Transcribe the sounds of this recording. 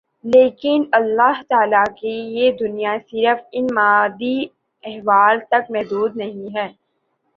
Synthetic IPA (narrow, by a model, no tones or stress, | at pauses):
leːkɪnɐlːaːɦt̪aːlakejed̪ʊnijasɪɾəfɪnmaːd̪i | ɛɦʋaːlt̪ɐk̚mɛɦd̪uːd̪nɐɦĩɦɛː